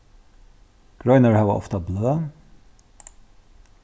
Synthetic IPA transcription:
ɡ̥ɹɔʏnəɹhæːʋa̰ʔɔ̰ft̪ɑbløː

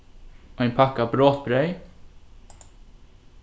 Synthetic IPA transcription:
oːɛnpʰɑkɑbɾoːt̪̚bɾœʏ

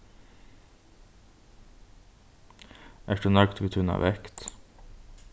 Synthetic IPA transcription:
ʔæːduːnɑɡt̪ʰʋiːt̪ʰʉnɑ̰ːʋɛkt̪

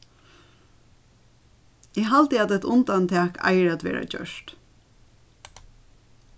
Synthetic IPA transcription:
ɛɦalt̪ɪaːt̪ɛt̪ʊnt̪ant̪ʰæːkʰa̰ɪəɾæt̪ʋɛ̰ːɹa̰d͡ʒœ̰ʃt̪

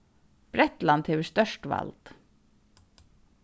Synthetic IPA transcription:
b̥ɾɛt̪lɑnd̪heːʋəst̪œʃʈʋɑ̰ld̪̥

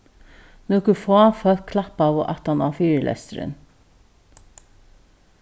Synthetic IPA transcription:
nuːkʉfɑːfœl̚kʰlɑpɑːʋoːʔɑt̪ɑnɑːfyːɾəlʔɛ̰st̪əɾə̰n

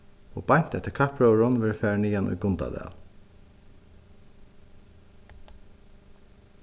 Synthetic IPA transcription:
o̰ːbɑjn̥t̪ɛt̪əkʰɑpɹoɹʊnʋɪɾfæːɹɳiːɑnʔṵːɡʊnd̪ɑ̰d̪ḛːl

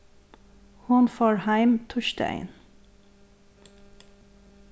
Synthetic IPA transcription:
hʊnfɑɹhæɪmt̪ʰʊʃtæ̰ɪn

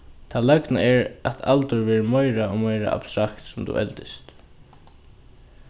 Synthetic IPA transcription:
t̪ʰalœknaɛɹat̪ʰa̰lt̪ʊɹvɛːɾəmɔjɾaɔmajɾa̰ʔa̰b̥st̪ɾakt̪sʊmt̪ṵːʔɛ̰lt̪ɪst̪

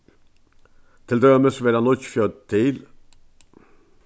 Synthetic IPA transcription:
t̪ʰɪld̪œməsʋeːɾɑnɔçfjøːt̪ʰɪːl

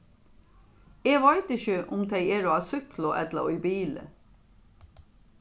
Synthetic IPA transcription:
eːʋɑɪt̪əçəʔʊmt̪ʰeɪeːɾoːɑːsʏklʊʔɛt̪lə̰yːbiːlə̰

